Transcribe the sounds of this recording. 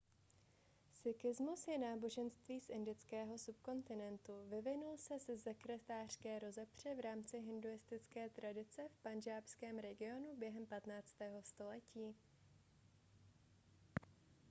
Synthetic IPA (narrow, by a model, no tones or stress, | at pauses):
sɪkɪzmusjɛnaːbo̞ʒɛnst̪viːsʔɪndɪt͡skɛːɦo̞sup̚ko̞nt̪ɪnɛnt̪uvɪvɪnulsɛsɛsɛkɾɛt̪aːr̝̥skɛːɾo̞zɛpr̝̥ɛvɾaːmt͡sɪɦɪnduɪst̪ɪt͡skɛːt̪ɾadɪt͡sɛfpanʒaːpskɛːmɾɛɡɪo̞nubjɛɦɛmpat̪naːt͡st̪ɛːɦo̞st̪o̞lɛciː